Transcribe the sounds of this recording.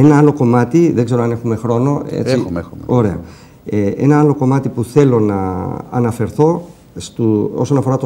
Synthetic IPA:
enɐɐlo̞ko̞mɐt̪iðe̞ɡze̞ɾoɐne̞xume̞xɾo̞no̞ḛt͡sio̞ɾe̞ɐ̰ | ee̞̰nɐɐlo̞ko̞mɐt̪ipuθe̞lo̞nɐ̰ːnɐfe̞ɾθo̞ | st̪uoso̞nɐfo̞ɾɐt̪o

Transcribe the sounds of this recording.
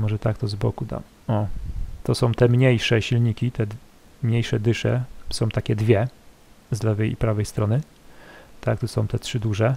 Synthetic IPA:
mɔʐɛt̪ak̚t̪ɔzbɔkud̪a̰ | ɔt̪ɔsɔ̃w̃t̪ɛmɲejʂɛɕilɲikʲit̪ɛ | mɲejʂɛd̪ɘʂɛ̰sɔ̃w̃t̪akʲɛd̪vʲjɛ | zlɛvɛjpɾavɛjst̪ɾɔnɘ | t̪akt̪usɔ̃w̃t̪ɛtʂɘd̪uʐɛ

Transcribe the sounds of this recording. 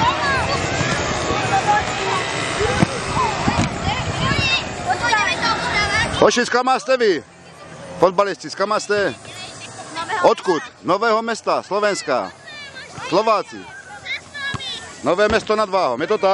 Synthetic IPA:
hɔʃit͡skamaːst̪ɛʋi | fɔd̪̚balist̪iskamaːst̪ɛ | ɔt̪kut̪nɔʋɛːɦɔmɛst̪aslɔʋɛnska̰ | slɔʋaːt͡sḭ | nɔʋɛːmɛst̪ɔnad̪ʋaːɦɔ̰mjɛt̪ɔt̪a

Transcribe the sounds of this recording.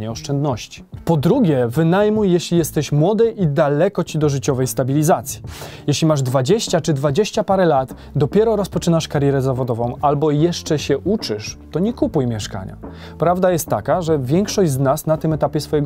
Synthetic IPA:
ɲɛɔʂt͡ʂɛnd̪nɔɕt͡ɕi̥pɔd̪ɾuɡʲjɛvɘnajmujːjɛɕlʲijɛst̪ɛɕmwɔd̪ɘʔid̪alɛkɔt͡ɕid̪ɔʐɘt͡ɕɔvɛjst̪abʲilʲizat̪sʲji̥jɛɕlʲimaʐd̪vad͡ʑeɕt͡ɕat͡ʂɘd̪vad͡ʑeɕt͡ɕapaɾɛlat̪ | d̪ɔpʲjɛɾɔɾɔspɔt͡ʂɘnaʂkaɾjɛɾɛzavɔd̪ɔvɔ̃w̃albɔjɛʂt͡ʂɛɕɛʔut͡ʂɘʂt̪ɔɲɛkupujmʲjɛʂka̰ɲa̰ | pɾavd̪ajɛst̪ːa̰kaʐɛvʲjɛŋkʂɔʑd͡ʑznasnat̪ɘmɛt̪apʲjɛsfɔjɛɡ

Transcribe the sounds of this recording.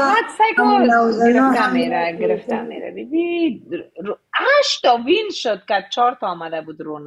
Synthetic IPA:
ad̪sajkɔɡɪɾɪft̪ameɾaɡɪɾɪft̪amḛɾa̰bɪbi | aʃt̪ɔwinʃod̪̚kad̪̚t͡ʃɔɾt̪ɔːmad̪abud̪ɾon

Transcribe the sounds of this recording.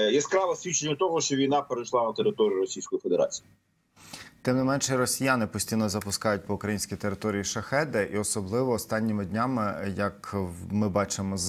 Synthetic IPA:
jɛskɾɑlˠɐsʲʋʲit͡ʃenʲːɐt̪ɔɦɔʃt͡ʃɔʋʲijnɑpeɾejʃlˠɑnɐt̪eɾɪt̪ɔɾʲiʊɾɔsʲijsʲkɔjifed̪eɾa̰t͡sʲi̥i | t̪ɪmnɪmɛnʃɛrɔsʲijanɪpɔsʲtʲijnɔzɐpʊskɑjʊt̚ʲpɔʊkɾɐjinʲsʲkʲijt̪eɾɪt̪ɔɾʲijiʃɐxɛd̪ɛʔiɔsɔblˠɪʋɔːst̪ɑnʲːɪmɪdʲnʲamɪjɐkmɪbɑt͡ʃɪmɔz

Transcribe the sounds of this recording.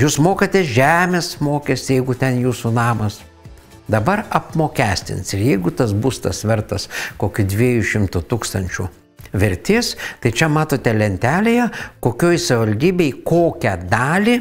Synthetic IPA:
juːsmoːkɐt̪ʲesʒʲæːmʲeːsmoːkʲesʲt̪ʲɪjɛɪɡʊt̪ʲɛnjuːsʊnɑːmɐs | d̪ɐbɐɾɐpmoːkʲæːsʲt̪ʲɪ̰nsɪɾjɛɪɡʊt̪ɐs̬bust̪ɐsʋʲɛɾt̪ɐskoːkʲʊd̪ʲʋʲiɛjuʃʲɪmt̪ʊt̪uːkst̪ɐnʲt͡ʃʲʊ | ʋʲɪɾʲt̪ʲeːst̪ɐɪt͡ʃʲɛmɑːt̪oːt̪ʲɛlʲɛnʲt̪ʲæːlʲejɛkoːkʲoːjsɐʋʲɪʋɐlʲd̪ʲiːbʲɛɪkoːkʲɛd̪ɑːlʲɪ

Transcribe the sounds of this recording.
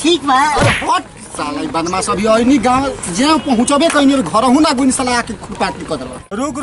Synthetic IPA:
ʈʰikmapɔʈ̚ | salajbanmasʌbʱiʌjniɡad͡ʒẽãpɔɦũt͡sɔbẽkʌjniʌɾuɡʱʌɾʌɦũlaɡunisalajakekʰuɽpat̪nikʌd̪ɾa̰ɾuɡ

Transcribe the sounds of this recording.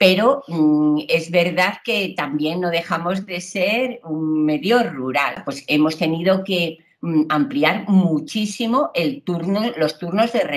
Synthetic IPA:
pe̞ɾo̞ | e̞zβe̞ɾðaðke̞t̪ambje̞nːo̞ðe̞xamo̞zðe̞se̞ɾuŋme̞ðjo̞ruɾalpwe̞se̞mo̞st̪e̞niðo̞ke̞ | ampliaɾmut͡ʃisimo̞ʔe̞lt̪uɾnolo̞st̪uɾno̞zðe̞re

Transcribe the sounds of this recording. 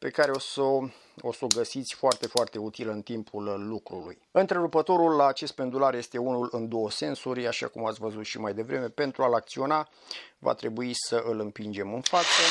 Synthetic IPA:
pe̞kaɾe̞oso | oso̞ɡəsit̪sʲfoart̪e̞foart̪e̞ut̪ilɨnt̪impʰulːukɾulṵjɨnt̪ɾeɾupət̪o̞ɾulːaːt͡ʃe̞st̪̚pe̞nd̪ularje̞st̪e̞unulɨnd̪o̞wəse̞nsuɾʲaʃa̰kumat̪sʲvəzut̪ʃimajd̪e̞vɾʔe̞me̞pe̞nt̪ɾualakt̪sio̞na | va̰t̪ɾe̞buisəʔɨlɨmpind͡ʒe̞mɨnfat̪sə

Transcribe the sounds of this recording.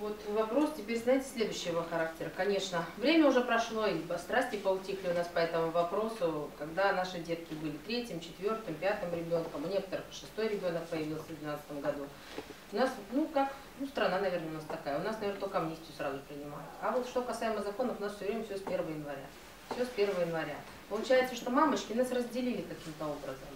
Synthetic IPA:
vo̞t̪vɐpɾo̞stʲɪpʲeɾʲsnaɪtʲɪ̥sʲlʲe̞d̪ʊɕːɪjvoxɐɾaktʲɪɾəkɐnʲe̞ʂnəvɾʲemʲəʊʐɛpɾɐʂlˠo̞ipɐst̪ɾasʲtʲɪpəʊtʲixlʲɪʊnaspɐɛt̪əmʊvɐpɾo̞sʊkɐɡd̪anaʂɨdʲe̞t̪kʲɪbɨlʲɪt̪ɾʲetʲɪmt͡ɕɪt̪vʲo̞rt̪ɨmpʲat̪ɨmɾʲɪbʲo̞nkəmɨnʲe̞kə̥t̪əɾɨxʂɨ̥st̪o̞jɾʲɪbʲo̞nək̚pəjɪvʲilˠsʲəvd̪ʲvʲɪnat̪st̪əmɡɐd̪u | ʊnasnukak | nust̪ɾɐnanɐvʲernəʊnast̪ɐkajəʊnasnɐvernət̪okəɐmnʲisʲtʲɪjʊsɾazʊpɾʲɪnʲɪma̰jʊt̪ɐvo̞t̪ʂt̪o̞kɐsajɪməzɐko̞nəfʊnasfsʲʊvɾʲemʲəfsʲospʲe̞rvəəjɪnvɐɾʲa̰ | fsʲɪospʲe̞rvəvjəjɪnvɐɾʲa̰ | pəlˠʊt͡ɕæjɪt̪səʂt̪o̞mamət͡ɕkʲɪnasrəzʲdʲɪlʲilʲɪkɐkʲimt̪əo̞bɾəzəm

